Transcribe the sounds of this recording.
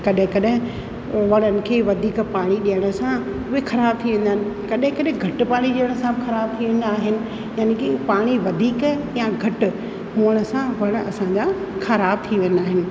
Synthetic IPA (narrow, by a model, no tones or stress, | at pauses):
kɐɗɦɪ̃kɐɗɦɪ̃ | ʋɐɽ̃ənɪ̆kʰeːʋɐd̪ʱiːkpaːɽ̃iɗijəɽ̃ə̆sã | ʊexɐɾaːb̚t̪ʰiʋẽːnd̪aɦɪnɪ̆kɐɗɦɪ̃kɐɗɦɪ̃ɡʱɐʈpaːɽ̃iɗiəɽ̃sãbɪxɐɾaːb̚t̪ʰiʋẽːn̆d̪aːɦɪnɪ̆ | jaːnekipaːɽ̃iʋɐd̪ʱiːkjãɡʱɐʈʊ̆ | ɦuəɽ̃ə̆sãʋɐɽ̃ɐsãɲd͡ʑa | xɐɾaːb̚t̪ʰiʋẽːn̆d̪aːɦɪnɪ̆